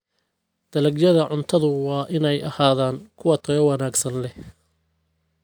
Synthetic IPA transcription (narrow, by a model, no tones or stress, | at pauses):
d̪̥ɐlɐɡjɐðɐʕʊnt̪ʰɐðʊwɑːʔɪnɛjɐhaːðaːŋkʰʊwɐt̪ʰɐɣɐwɑnaːɡsɐnlɛ